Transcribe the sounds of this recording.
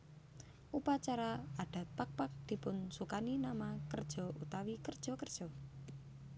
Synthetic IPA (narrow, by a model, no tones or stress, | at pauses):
ʔupat͡ʃaɾaaɖ̥a̤t̪̚pak̚pak̚d̪̥i̤pʊnsukaninamakərd̥ʒ̥ɔ̤ʔut̪awikərd̥ʒ̥ɔ̤kərd̥ʒ̥ɔ̤